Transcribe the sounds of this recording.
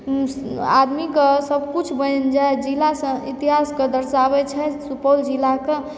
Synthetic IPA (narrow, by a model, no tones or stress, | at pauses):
a̰d̪mikesəbʱkut͡ʃʰbənd͡ʒaed͡ʒilasə̃it̪iɦasked̪əɾʃabɛt͡ʃʰɛsupəld͡ʒilake